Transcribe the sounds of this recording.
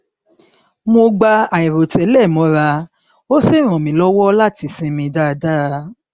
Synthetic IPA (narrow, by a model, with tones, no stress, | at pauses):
mo˧ɡ͡ba˧a˨i˨ɾo˨tɛ˨˦lɛ˦˨mɔ̃˨˧˦ɾa˧ | o˦se˦˨ɾ̃ɔ̃˨mĩ˨˦lɔ˦wɔ˦la˦˨ti˧sĩ˧mĩ˧da˦˧da˦